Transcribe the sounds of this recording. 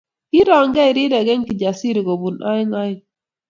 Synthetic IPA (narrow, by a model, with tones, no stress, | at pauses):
i˦ɾɔ˨ŋɡɛ˦ɪ˨ɾi˦ɾɛ˨ɡɛ˦ŋki˨d͡ʒa˨si˦ɾi˨ɡo˨bu˨na̰˦ɪ˦ŋa˦ɪ˦ŋ